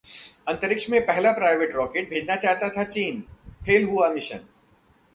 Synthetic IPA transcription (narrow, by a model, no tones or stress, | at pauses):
ɐ̃nt̪əɾɪkʃmẽpɛɦlapɾaːɪʋeːʈɾɔːkeːʈ̚bʱeːd͡ʒnat͡ʃaːɦt̪at̪ʰat͡ʃiːnpʰeːlɦuamɪʃə̰n